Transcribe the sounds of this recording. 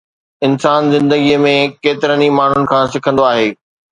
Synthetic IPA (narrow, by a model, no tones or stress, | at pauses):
ɪnsaːnzɪ̃nd̪əɡijəmẽkeːt̪ɪɾənimaːɳ̤ʊnɪ̆kʰãːsɪkʰə̃nd̪oaːɦeː